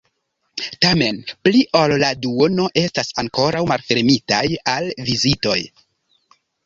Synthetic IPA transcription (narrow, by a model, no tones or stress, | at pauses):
tame̞npliʔolladuono̞ʔe̞stasaŋko̞ɾawmalfe̞ɾmitajalvizito̞j